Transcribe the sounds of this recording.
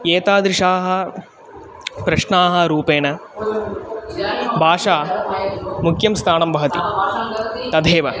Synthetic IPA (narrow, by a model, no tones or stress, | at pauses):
eːt̪aːd̪ɾiʂaːɦɐ̆ | pɾɐʂɳaːɦɐ̆ɾuːpeːnɐ | bʱaːʂaː | mukʰjɐmst̪ʰaːnɐmbʱɐʋɐt̪i | t̪ɐd̪ʱeːʋɐ